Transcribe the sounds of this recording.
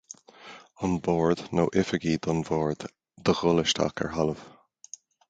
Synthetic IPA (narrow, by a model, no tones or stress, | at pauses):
ɑnbɔːɹd̪noːʔɪfəɡiːd̪ɑnvɔːɹd̪ | d̪əɣʊlɪʃtʰa̰kə̰ɹɦaləv̥